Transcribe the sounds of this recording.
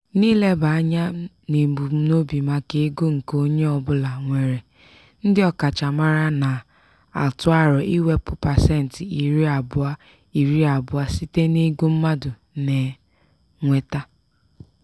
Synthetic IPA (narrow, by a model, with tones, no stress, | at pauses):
niː˦le˦ba˨a˦ɲa˦ | ne˨m̩˨bu˨m̩˦no˦bi˨ma˨ke˦e˦ɡo˦ŋ̩˨ko˦ɲe˦ɔ˨bʊ˦la˨ŋʷe˨ɾe˨ | n̩˦dɪ˦ɔ˦ka˨t͡ʃa˨ma˦ɾa˦na˨ | a̰˨tʊ˦a˦ɾɔ˨i˦we˦pʊ˦pa˨se˦n̩˨tɪ˨i˨ɾi˦a˨bʊ˦a˦ | i˨ɾi˦a˨bʊ˨a˦si˦te˦ni˦ɡu˦m̩˦ma˦dʊ˨ | ne˨ | ŋʷe˨ta˦